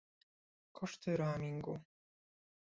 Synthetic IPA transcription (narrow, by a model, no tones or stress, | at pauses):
kʰɔʂt̪ɨɾaːmʲiŋɡu